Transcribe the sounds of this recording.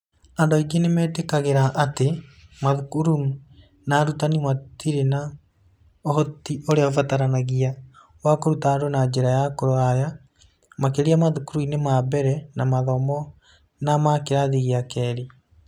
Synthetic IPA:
andɔiɡenemɛtekaɣeɾaʔatemaðukuɾum | naɾutanimatiɾena | ɔhɔtioɾeaofataɾanaɣia | wakoɾutaɾonad͡ʑeɾajakoɾoaja | makeɾiamaðukuɾuinemaβɛɾɛnamaðɔmɔ | namakeɾaðiɣiakɛɾi

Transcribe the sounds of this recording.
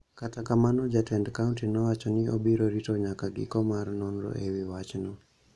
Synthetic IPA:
katakamanɔd͡ʒatɛndkauntinɔwat͡ʃɔnɪʔobiɾoɾitɔɲakaɡɪ̰kɔmarnɔnɾɔ̰ʔewɪwat͡ʃnɔ

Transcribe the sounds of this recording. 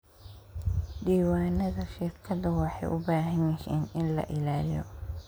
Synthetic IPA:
ɖiːwaːnɐðɐʃɪrkʰɐðɐwɑːħɑjʔʊ̰baːɦɐnɛhɛːnɪnlɐ̰ʔɪlaːlɪjɔ̰

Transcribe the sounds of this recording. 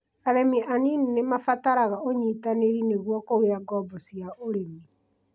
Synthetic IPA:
aɾemiʔanininemafataɾaɣaoɲitaneɾineɣwɔkoɣeɾaɡɔbɔsiaoɾeme

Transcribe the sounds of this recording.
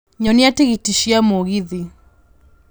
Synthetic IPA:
ɲɔniateɣitiʃiamoɣiði

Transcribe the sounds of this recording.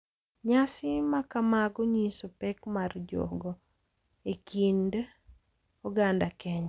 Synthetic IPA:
ɲasɪmakamaɡɔɲisopɛkmard͡ʒɔ̰ɡɔ | ekind | ɔɡandakɛɲa

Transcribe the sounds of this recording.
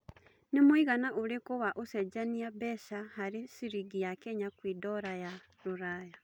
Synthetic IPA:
nimwiɣanaʔuɾikuβaʔused͡ʒaniabesahaɾisiɾiɡijakeɲakwiːdoɾaja | ɾuɾaːja

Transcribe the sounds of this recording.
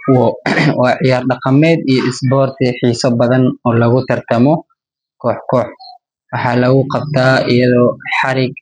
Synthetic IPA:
wɔːwɑːʕɪjaːrɖɑqɑmɛːd̪ijɔʔɪsbɔːrt̪ʰiħiːsɔbɐðɐnɔːlɐɣʊt̪ʰɐrt̪ʰɐmɔ | kʰɔːħkʰɔːħ | wɑħɑːlɐɣʊqɑb̚t̪ʰaːɪjɐðɔːħɑɾɪɡ

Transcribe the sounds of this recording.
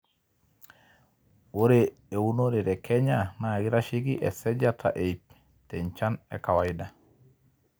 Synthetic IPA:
woɾeeunoɾeɾekʰeɲanaɡiɾaʃiɡiʔɛsɛd͡ʒatʰa̰ʔeip̚ | teɲt͡ʃanḛkawaida

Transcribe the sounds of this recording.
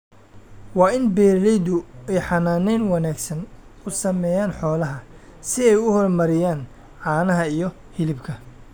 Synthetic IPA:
wɑːɪnbɛːɾlɛjd̪ʊɛjħɑnaːnɛjnwɐnaːɡsɐn | ʊsɐmɛːjaːnħɔːlɐɦɐsɪɛjʊhɔrmɐɾɪjaːn | ʕaːnɐɦɐijɞ | hɪlɪbkʰɐ

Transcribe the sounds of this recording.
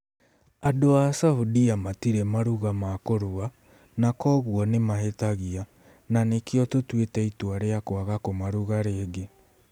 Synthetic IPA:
adoasaudiamatiɾɛmaɾuɣamakoɾoa | nakɔɣuɔnemaɦetaɣia | nanekeɔtotwetɛitwaɾeakwaɣakomaɾuɣaɾeːɡe

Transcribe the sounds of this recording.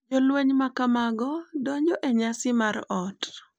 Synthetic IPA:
d͡ʒɔlweɲmakamaɡɔdɔɲd͡ʒɔʔɛɲasɪmaɾɔt

